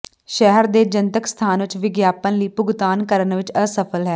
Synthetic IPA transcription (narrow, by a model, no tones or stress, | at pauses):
ʃɛɦəɾd̪eːd͡ʒənt̪əkst̪ʰaːnʋɪt͡ʃʋɪɡjaːpənliːpʊɡt̪aːnkəɾənʋɪt͡ʃəsəpʰəlɦɛː